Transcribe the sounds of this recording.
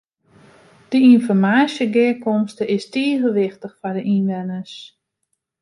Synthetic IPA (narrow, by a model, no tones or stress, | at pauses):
d̥əinfɔrmaːsjəɡɪkɔmstəɪstiəɣəʋɪxtəxfɔrdəʔinʋɛnəs